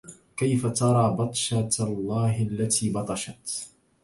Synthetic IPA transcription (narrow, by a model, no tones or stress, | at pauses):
kajfat̪ɑɾˤɑːbɑt̪ˤʃat̪lˤːɑːɦalːat̪ʰiːbɑt̪ˤɑʃat̪